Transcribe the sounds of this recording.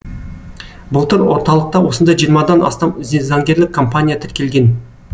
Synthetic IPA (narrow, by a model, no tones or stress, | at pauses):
bʊlˠt̪ʰʏɾwo̞ɾt̪ɑlˠəq̚t̪ɑwo̞sənd̪ɑjʒijəɾmɑd̪ɑnɑ̰st̪ɑmʏzenzɑŋɡʲe̞ɾlɪkʰːo̞mpanʲijat̪ʰɪɾkʲe̞lʲɡʲe̞n